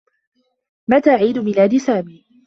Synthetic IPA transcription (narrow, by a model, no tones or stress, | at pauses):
mat̪aːʕiːd̪ʊmɪlaːd̪ɪsaːmiː